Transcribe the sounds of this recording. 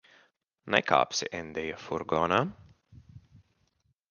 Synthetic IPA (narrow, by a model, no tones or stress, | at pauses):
nɛ̰ka̰ːpsiʔɛnd̪ɛjafuɾɡɔːna